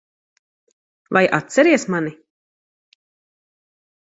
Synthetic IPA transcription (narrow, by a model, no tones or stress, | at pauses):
vajʔa̰t̪t̪sɛɾiɛsmani